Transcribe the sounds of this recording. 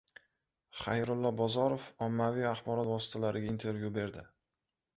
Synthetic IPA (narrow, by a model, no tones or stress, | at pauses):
χajɾʊlˠːɒbɒzɒɾofɒmːavijaχbɒɾɒt̪vɒsɪ̥t̪ʰalaɾɪɡʲaint̪ʰe̞ɾvjube̞ɾd̪ɪ